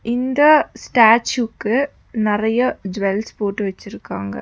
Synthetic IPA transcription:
ɪnd̪ɐsʈaːt͡ʃukːɯ | nɪrɐjɐd͡ʒʋelspoːʈːɯʋɐt͡ɕːɪɾɯkːaːŋɡɐ̰

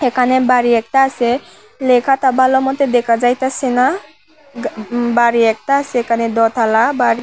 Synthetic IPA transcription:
ekʰanebaɾiɛk̚t̪aːse | lekʰat̪abʱalɔmɔt̪ɛd̪ɛkʰad͡ʒajt̪asena | baɾiɛk̚t̪aːsɛekʰanɛd̪ɔt̪ʰalabaɾi

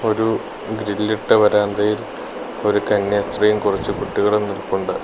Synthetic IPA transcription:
o̞ɾu | ɡɾilːiʈːɨʋɐɾaːnd̪ɐjil | o̞ɾukɐnːjɐst̪rijumkurɐt͡ɕːɨkuʈːiɣɐɭenːilkːuɳɖɨ

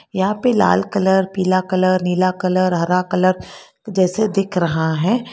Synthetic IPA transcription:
jɐɦãːpela̰ːlkɐləɾpiːlakɐləɾniːlakələɾɦɐɾakɐləɾ | d͡ʒɛːsed̪ɪkʰɾɐɦaɦɛ̃ː

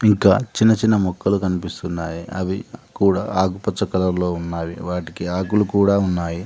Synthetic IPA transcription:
iŋkaːt͡ʃinːɐt͡ʃinːɐmɔkːɐlukɐnipist̪unːaːjiɐʋikuːɽaːaːkupɐt͡ʃːɐkɐlɐɾlo̞ːunːaːjiʋaːʈikiaːkulukuːɽaːunːaːji

